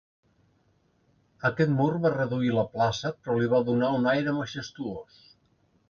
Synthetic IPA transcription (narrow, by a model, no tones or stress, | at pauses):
əkɛt̪murβarəðuiləplasəpɾɔliβ̞aðunaunajɾəməʒəst̪uos